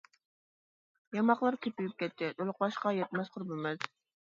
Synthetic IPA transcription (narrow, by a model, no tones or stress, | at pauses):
jɑmɑqlˠɑɾk̪ʲʰepyjyp̚kʲɛt̪ʰːɪd̪ʰolˠʊqbɑʃqɑjɛt̪mɛsqʰʊɾbɪmɪz̥